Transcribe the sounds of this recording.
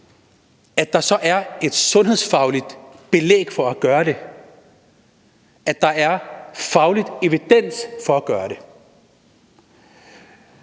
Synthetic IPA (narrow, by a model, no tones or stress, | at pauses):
æd̥ɑ̈sɒ̽ʔæɐe̝d̥sɔ̽nɦe̝ðˠsfɑ̈ʊlid̥b̥e̝lḛːɡ̥fɒ̽æɡ̥ɶːɐɾe̝ | ʔæd̥ɑ̈æɐfɑ̈ʊlid̥e̝ʋid̥en̰sfɒ̽æɡ̥ɶːɐɾe̝